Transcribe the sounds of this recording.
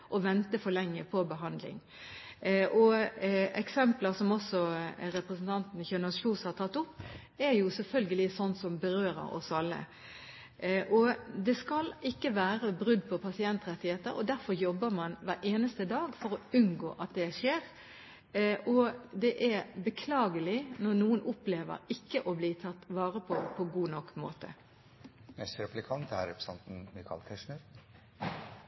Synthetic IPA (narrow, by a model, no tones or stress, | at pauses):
ʔɔʋɛnt̪əfɔɾlɛŋːəpʰɔbəɦɑnd̪lɪ̰ŋ | ʔɔ | ɛksɛmpləsɔmɔsɔɾɛpɾəsn̩t̪ʰɑnt̪n̩ɪçøːnʉsçuːshɑɾt̪ʰɑt̪ːʊpː | æɾjʊsɛlfœlɡəlɪsɔnsɔmbəɾøːɾə̰ɾɔ̰sɑlːə̰ | ʔɔd̪ɛskɑlɪkːəʋæːɾəbɾʉd̪pʰɔpʰɑsɪɛnt̪ɾɛt̪ːɪheːt̪əɾɔ̰d̪æɾfɔɾjɔbːəɾmɑnʋæɾʔeːnəst̪əd̪ɑːɡfɔɾɔʉnɡo̰ːʔɑt̪̚d̪ɛʂeːʁ | ɔd̪ɛʔæɾbəkʰlɑːɡəlɪnɔʁnuːənʊpleːʋə̰ɾɪkːəʔɔbliːt̪ʰɑt̪ːʋɑːʁəpʰɔpʰɔɡuːnɔkːmo̰ːt̪ə̰ | nɛst̪ɾɛplɪkʰɑnt̪æ̰ɾɛpsɑnt̪n̩mɪkʰɑ̰lk̪ʰɛʂɳəɾ